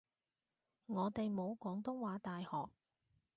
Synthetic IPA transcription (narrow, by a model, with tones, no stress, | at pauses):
ŋɔː˨˧t̪e˨jmo˨˧wkɔː˨˥ŋt̪ʊ˥ŋwaː˨˧˥t̪aː˨jhɔː˨k̚